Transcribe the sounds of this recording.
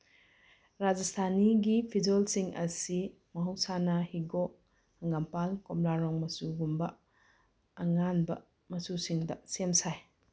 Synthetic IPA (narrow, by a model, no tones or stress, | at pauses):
ɾad͡ʒastʰaniɡipʰid͡ʒolsiŋɐsi | mɐɦɐwsanɐhiɡɔ | ɐŋampalkomlaɾɔŋmɐsuɡumbɐː | ŋanbɐ̰ | mɐsusiŋdɐsemsaj